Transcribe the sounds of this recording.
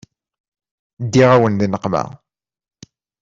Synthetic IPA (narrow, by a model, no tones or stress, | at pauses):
d̪ːiʁæwənðinəqːmæ̰